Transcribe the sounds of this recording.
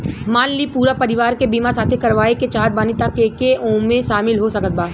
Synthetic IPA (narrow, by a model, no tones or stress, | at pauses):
maːnlipuːɾapɐɾɪʋaːɾkebiːmasaːt̪ʰekɐɾʋaːeket͡ʃaːd̪̚baːnɪt̪akekeʔõːmẽʃaːmɪlɦosɐkət̪̚baː